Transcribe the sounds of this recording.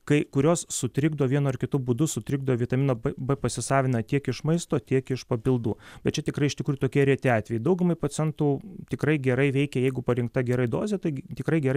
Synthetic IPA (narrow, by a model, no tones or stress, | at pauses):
kɐɪkʊɾʲoːssʊt̪ʲɾʲɪɡd̪oːʋʲiɛnoːɪrkʲɪt̪ʊbʊd̪ʊsʊt̪ʲɾʲɪɡd̪oʋʲɪt̪ɐmʲɪnoːbbɛpɐsʲɪsɑːʋʲɪnɐt̪ʲiɛkɪʃmɐɪst̪oːt̪ʲiɛkɪʃpɐpʲɪlˠd̪uːbʲɛt̪t͡ʃʲɛt̪ʲɪkɾɐɪʃt̪ʲɪkɾuːjʊt̪oːkʲiɛɾʲiɛt̪ʲeːɑːt̪ʲʋʲɛjɪd̪ɐʊɡʊmɐɪpot͡ssʲɛnt̪uːt̪ʲɪkrɐɪɡʲɛɾɐɪʋʲɛɪkʲɛjɛɪɡʊpɐɾʲɪŋk̚t̪ɐɡʲɛɾɐɪd̪oːzʲɛt̪ɐɪt̪ʲɪkɾɐɪɡʲɛɾɐɪ